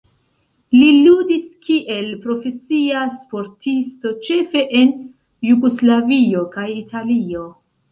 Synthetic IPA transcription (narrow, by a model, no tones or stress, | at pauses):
liludiskiʔe̞lpɾo̞fe̞siaspo̞ɾtʰisto̞t͡ʃe̞fe̞ʔe̞n | juɡoslavio̞kajitʰalio̞